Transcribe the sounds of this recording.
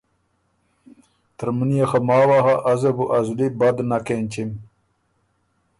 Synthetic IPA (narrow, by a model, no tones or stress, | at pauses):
t̪əɾmunjaxɐmaːwaɦɐʔɐzɐbuʔɐzulibɐd̪nakenʲt͡ɕim